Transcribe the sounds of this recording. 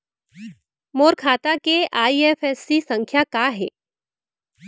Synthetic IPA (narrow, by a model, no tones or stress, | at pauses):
moɾkʰat̪akeʔaiefesːisəŋkʰjakaɦḛ